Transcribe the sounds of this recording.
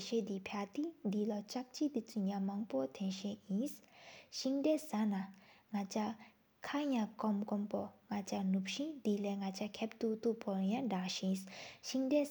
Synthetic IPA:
ɕɛd̪ipʰaʔt̪id̪ilat͡ɕak̚t͡ɕit̪it͡sʰuɲamaŋpɔt̪ʰɛnɕɛʔjinsɕiŋdɛːsanaŋat͡ɕa | kʰajaŋkɔmkɔmpɔŋat͡ɕanup̚ɕind̪ilɛːŋat͡ɕʰakʰɛp̚t̪uʔt̪uʔpʰɔjaɖ͡ʐaŋɕinsɕiŋdɛː

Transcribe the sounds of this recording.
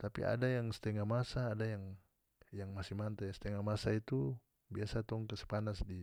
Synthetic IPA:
t̪apḭa̰dajaŋst̪ɛŋamasaːdajaŋ | jaŋmasimant̪ast̪ɛŋamasait̪u | biasat̪ɔŋkasɛ̥panasdi

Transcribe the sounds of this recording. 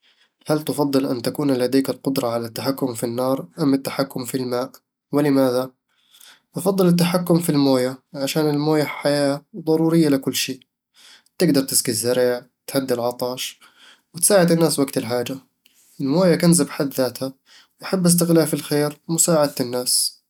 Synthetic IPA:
halt̪ʊfɑd̪ˤːɨlʔant̪akuːnlad̪iːkalqʊd̪ɾˤɑʕalat̪ːaħakːʊmfinːɑːɾˤʔamːat̪ːaħakːʊmfilmaːʔ | wɪlɪmaːða | ʔɑfɑd̪ˤːɨlɪt̪ːaħakːʊmfilmoːjaʕaʃaːnɪlmoːjaħajaːðˤɑɾˤuːɾɪjːalɪkʊlːʃiːʔ | t̪ɪɡd̪ɑɾˤt̪ɪ̥skizːaɾɪʕ | t̪ħad̪ːɪlʕɑt̪ˤɑːʃ | wɪt̪saːʕɪd̪ɪnːaːswaɡt̪ɪlħaːd͡ʒa | ʔɪlmoːjakanzabħad̪ːaːt̪ha | wʔaħabːʔɪs̬t̪ɪɣlaːfɪlxeːɾmʊsaːʕad̪t̪ɪnːaːs

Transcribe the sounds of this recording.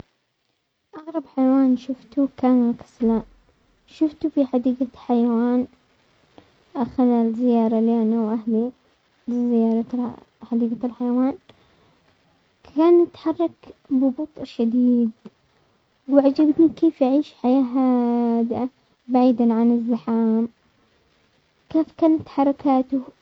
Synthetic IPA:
ʔɑɣɾˤɑbħajawaːnʃʊft̪ukaːnakḁsla | ʃʊft̪ufiħad̪iːɡaħajawaːn | ʔaxaðalzɪjɑːɾˤɑlaːnuwʔahli | bzɪjɑːɾˤɑ | ħad̪iːɡalħajawaːn | kʰaːnːɪt̪ħɑrˤːɑkbɪbʊt̪ˤʃad̪iːd̪ | wɪʕad͡ʒabt̪nikeːfʔaʕiːʃħajaːɦaːd̪ʔa | baʕiːd̪anʕanɪzːaħaːm | keːfkaːnat̪ħɑɾˤɑkaːt̪ʊ

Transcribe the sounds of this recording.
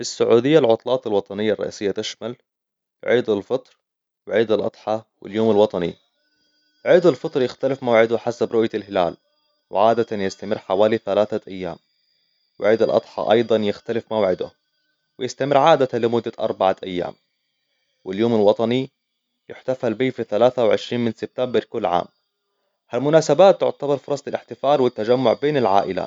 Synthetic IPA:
fisːʊʕuːd̪ɪjːalʕʊt̪ˤlɑːt̪ɪlwɑt̪ˤɑnɪjːaɑrˤːɑ̰ʔḭːsɪjːat̪ɪʃmal | ʕiːd̪alfɨt̪ˤɾ | wɪʕiːd̪alʔɑ̰d̪ˤħɑwɪ̰ljoːmɪlwɑt̪ˤɑnḭ | ʕiːd̪ˤalfɨt̪ˤɾjɪxt̪alɪfmawʕɪd̪ʊħasabɾʊʔjalɦɪla̰ːl | wɪ̰ʕaːd̪at̪anjɪst̪amɪrːħawaːliθalaːθaʔajːa̰ːm | wɪʕiːd̪alʔɑ̰d̪ˤħɑ̰ʔɑ̰jd̪ˤɑnjɪxt̪alɪfmawʕɪd̪ʊ̰ | wɪjɪst̪amɪrʕaːd̪at̪alɪmʊd̪ːaʔɑ̰ɾˤbaʕaʔajːa̰ːm | wɪljoːmalwɑt̪ˤɑni | jɪħt̪afalbiːfiθalaːθawʕɪʃɾiːnmɪnsɪb̥̚t̪ambɪɾˤkʊlːʕa̰ːm | halmʊnaːsabaːt̪ːʊʕt̪abɑɾˤfʊɾˤɑsˤt̪ɪlʔɪħt̪ɪfaːlwɪt̪ːad͡ʒamːʊʕbeːnɪlʕa̰ːʔɪla̰

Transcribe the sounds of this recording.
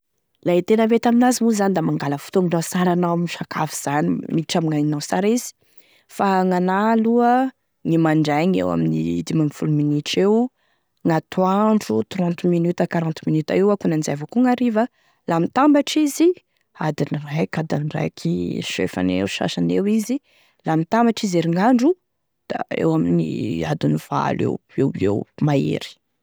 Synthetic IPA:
lait̪enəvet̪aminazimuzanid̪amaŋɡaləfu̥t̪uŋiɖ͡ʐasaɾanawminiʃakʰafiz̥animiʈ͡ʂamiŋainawsaɾizi̥ | faŋanaluə | ŋimaɳɖ͡ʐaŋḛwa̰minḭd̪imanifuluminiʈ͡ʂew | ŋat̪uaɳɖ͡ʐut̪rɔ̃nt̪minyt̪akaɾãnt̪minyt̪a̰ewakunanizavakuŋaɾiva | lamit̪ambaʈ͡ʂizi | ad̪inirajkad̪anɖ͡ʐa̰jkʰiʃḛfa̰nḛwuʃa̰ʃanewizi | lamit̪ambaʈ͡ʂizeɾiŋaɳɖ͡ʐu | d̪̥a̰ḛwaminḭad̪univ̥a̰lḛwewḛwmaḛɾi̥

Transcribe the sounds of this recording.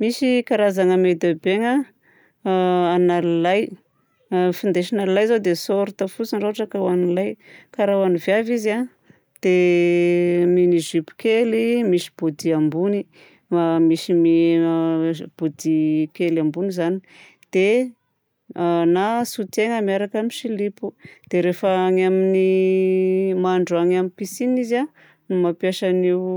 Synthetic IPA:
miʃikaɾazaŋəmed̪abeŋə | analilaj | find̪eʃanalilajzod̪esoɾut̪afut͡sinɖ͡ʐoaʈ͡ʂəkawanilajkaɾawanivjaviza | d̪̥e | miniʒypi̥kelimiʃi̥b̥od̪iambuni | amiʃimi | b̥ud̪ikelambunizani̥ | d̪̥e | nasut̪eŋəmiaɾakamiʃilipud̪̥eɾefaŋamini | maɳɖ͡ʐuaŋamipisiniza | numapjaʃaniw

